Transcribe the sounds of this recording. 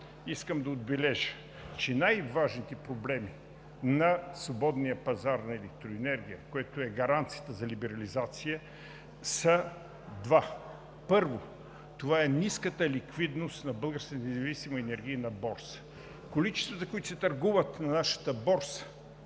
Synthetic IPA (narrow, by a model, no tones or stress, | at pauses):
iskəmd̪ɐod̪̚bɛlɛʒə | t͡ʃɛnajvaʒnit̪ɛpɾoblɛmi | nɐsvobɔd̪nijəpɐzaɾnɐɛlɛk̚t̪ɾoɛnɛɾɡ̟ʲijəkoɛt̪oɛɡɐɾant̪sijət̪əzɐlibɛɾɐlizat̪sijə | sə | d̪va | pɤɾvo | t̪ovaɛniskət̪əlikvid̪nost̪nɐbəlˠɡəɾskət̪nɛzɐvisimɐɛnɛɾɡ̟ʲiənɐbɔɾs | kolit͡ʃɛ̥st̪vɐt̪ɐkoit̪ʊsɛt̪ɐɾɡuvət̪nɐnaʃɐ̥t̪əbɔɾs